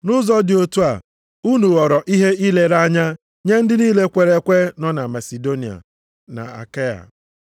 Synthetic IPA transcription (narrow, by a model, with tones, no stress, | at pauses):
nʊ˦zɔ˦dɪ˨o˦tu˦a̰˨ | u˦nu˨ɣɔ˨ɾɔ˨ʔi˦ɦe˦ʔi˦le˦ɾa˦ɲa˦ | ɲe˦n̩˦dɪ˦niː˦le˦kʷe˨ɾe˦kʷe˦nɔ˦na˨ma˨si˨do˦ni˨a̰˨ | na̰˨a̰˨ka˦ja̰˨